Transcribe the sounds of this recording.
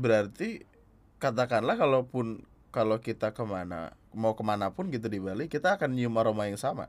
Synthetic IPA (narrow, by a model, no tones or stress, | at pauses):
bəɾart̪i | kat̪̬akanlahkalopʊn | kalokit̪akəmana̰ | maukəmanapʊnɡit̪̬udibalikit̪aːkanɲumaɾomajaŋsama̰